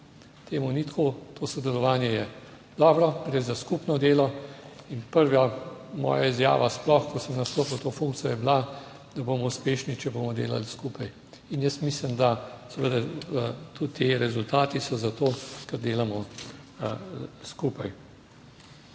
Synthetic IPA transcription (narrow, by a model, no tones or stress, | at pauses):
t̪ʰeːmunit̪kot̪ʰoːsɔd̪ɛlɔʋaːnjɛjɛ | d̪̥ɔːbɾɔɡɾezaskupnɔd̪eːlɔinpəɾʋamɔ̰ːjaizja̰ːʋasplɔxkɔsəmnast̪oːpiwt̪oːfuŋk̚t̪t͡s̪ijɔjɛbla | d̪ɐboːmɔuspeːʃnit͡ʃɛboːmɔd̪ḛːla̰lskupaj | injəsmislimd̪asɛʋəd̪at̪ut̪ːeɾɛzʊlt̪aːt̪isɔzat̪oːkɛɾd̪eːlamɔ | skuːpaj